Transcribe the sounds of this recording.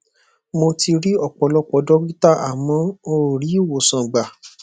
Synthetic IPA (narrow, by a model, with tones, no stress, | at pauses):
mo˧ti˧ɾi˦ɔ˦˨k͡pɔ˨˦lɔ˦k͡pɔ˧˦dɔ˦ɡi˦ta˦˨ʔa˨mɔ̃˨˧˦o˧ɾo˨ɾi˨˦i˦˨wo˨sã˨ɡ͡ba˨